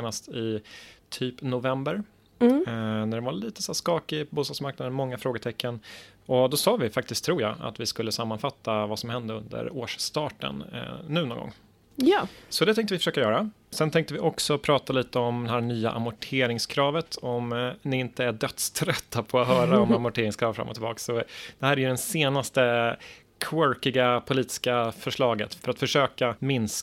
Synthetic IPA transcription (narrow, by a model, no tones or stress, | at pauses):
nast̪ɪt̪ʰyːpnʊvɛmbəɾ | næɖɛnvaɭiːt̪ə̥sæːʂkɑːkɪpʰbuːst̪ɑːɡsmaɾk̚nad̪ənmɔŋːafɾoːɡəʈ̪ʰɛkːənɔd̪ɔsɑːvɪfak̚t̪ɪskt̪ʰːɾuːɾja̰a̰t̪vɪskɵlːəsamːanfat̪ʰːavasɔmhɛnd̪əɵnd̪ə̰ɾo̰ːʂst̪ɑːʈə̰nːʉ̟ːnɔ̰ːŋɡɔ̰ŋː | jːsɔd̪ɛt̪ɛ̃ŋkt̪əvɪfœ̥ʂøːkajœːɾa | sɛnt̪ʰɛŋk̚t̪əvɪʔɔksɔpʰɾɑːt̪aliːt̪əɔmd̪ɛhæːɳyːa̰ʔa̰mʊʈʰeːɾɪŋskʰɾɑːvət̪ʰɔmnɪɪnt̪əæɖœt̪st̪ʰɾœt̪ʰːapʰɔat̪hœːɾaɔmamʊʈʰeːɾɪŋskʰɾɑːvfɾa̰mːɔt̪ʰɪlbɑ̰ːksɔd̪̥ɛhæːɾɛjɵɖ̪ɛnseːnast̪ə | kʰwœɾkɪɡapʰʊliːt̪ɪ̥skafœʂɭɑːɡət̪fœɾat̪fœʂøːkamɪns